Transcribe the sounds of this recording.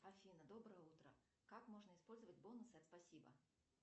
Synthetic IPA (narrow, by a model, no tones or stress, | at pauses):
ɐfʲinəd̪obɾəjəut̪ɾə̰ | kakmoʐnəɪspolʲzəvədʲbonusɨɐt̪spɐsʲibə̰